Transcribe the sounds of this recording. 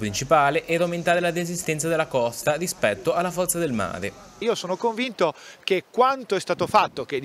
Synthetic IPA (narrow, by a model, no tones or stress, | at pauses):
pɾint͡ʃipaːleʔɛːɾawment̪aːɾelarezist̪ɛnsad̪elːakɔst̪arispɛt̪ːoʔalːafɔrt̪sad̪elma̰ːɾḛ | iːosoːnokoɱvint̪okekːwant̪oɛst̪aːt̪ofat̪ːoked̪